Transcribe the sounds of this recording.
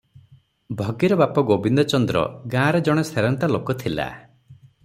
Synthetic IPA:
bʱɔɡiɾɔbapɔɡobind̪ɔt͡ʃɔnd̪ɾɔ̰ɡãɾed͡ʒɔɽ̃eseɾɔnt̪alokɔt̪ʰila̰

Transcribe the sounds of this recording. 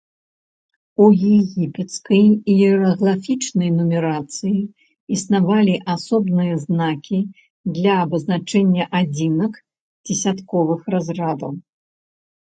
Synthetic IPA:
ujɛɣʲipʲɛt̪skɐjiɛɾɐɣlˠafʲit͡ʂnɐjnumʲɛɾat̪sɨji | isnavalʲiʔasɔbnɨjɐznakʲʰi | d̪lʲɐːbɐznat͡ʂɛnʲːɐʔad͡zʲinɐk | d͡zʲɛsʲat̪kɔvɨxrazrad̪ɐw

